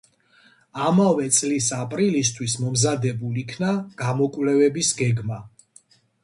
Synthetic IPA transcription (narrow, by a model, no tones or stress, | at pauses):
amavɛt̪sʼlisapʼɾilist̪ʰwismɔmzad̪ɛbulikʰnaɡ̥amɔkʼvlɛvɛbisɡɛɡma